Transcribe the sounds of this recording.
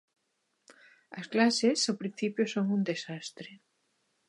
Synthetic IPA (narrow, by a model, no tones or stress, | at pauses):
ɐsklasesawpɾin̟θipjosoŋund̪esast̪ɾe